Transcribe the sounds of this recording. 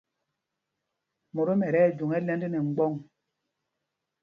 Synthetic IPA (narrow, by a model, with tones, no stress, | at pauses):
mo˨ɾo˦mɛ˨ɾɛ˦˨d͡ʒu˨ŋɛ˦lɛ˦ndi˦ne˨ŋ͡m̩˦ɡ͡bɔ˦˨ŋ